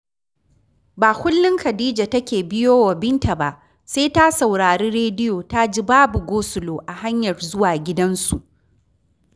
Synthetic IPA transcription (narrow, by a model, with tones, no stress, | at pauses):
baː˨kʷʊ˦lːɪ˦ŋkɐ˨diː˦d͡ʒa˨tɐ˦kʲeː˨bɪ˦joː˦wa˨bɪ˦ntʰa˨ba˦ʔ | se˦ta˦sa˨wɽaː˨ɽeː˦ɽeː˦dɪ˦joː˨ta˦d͡ʒi˦baː˦bu˨ɡʷoː˦sʊ˨loː˨ʔa˨ha˦ɲjɐ˨rzʊ˦waː˨ɡʲɪ˦dɐ˦nsu˨ʔ